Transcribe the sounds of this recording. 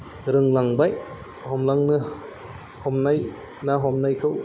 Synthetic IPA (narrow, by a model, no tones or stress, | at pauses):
ɾɯŋlaŋbaj | hɔmlaŋnɯ | hɔmnaj | naɦɔmnajkʰɯw